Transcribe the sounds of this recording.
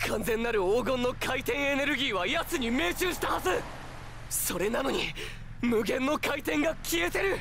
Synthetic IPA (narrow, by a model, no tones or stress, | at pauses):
kʰãñzẽ̞nːaɾɯ̟oːɡõ̞nːo̞kʰait̪ẽ̞ɰ̃e̞ne̞ɾɯ̟ɡʲiːβajat͡sɨɲ̟ime̞ːt͡ɕɨːɕi̥t̪ahazɨ | so̞ɾe̞nano̞ɲi | mɯ̟ɡẽ̞nːo̞kait̪ẽ̞ŋɡakʲiet̪e̞ɾɯ̟